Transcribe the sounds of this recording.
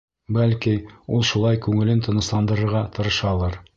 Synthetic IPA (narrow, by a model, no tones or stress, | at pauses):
bælkiulˠʃulˠɑjkʉŋɘ̆lɘnt̪ɤ̆nɤ̆slˠɑnd̪ɤ̆ɾɤ̆ɾʁɑt̪ɤ̆ɾɤ̆ʃɑlˠɤɾ